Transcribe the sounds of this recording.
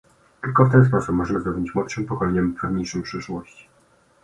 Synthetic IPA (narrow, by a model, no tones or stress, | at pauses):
t̪ɘlkɔft̪ɛns̬pɔsupmɔʐɛɘzɾɔbʲɲit͡ɕmwɔt̪ʂɘmpɔkɔlɛɲɛmvpɛvɲejʂɨmpʂɘʂwɔɕt͡ɕi̥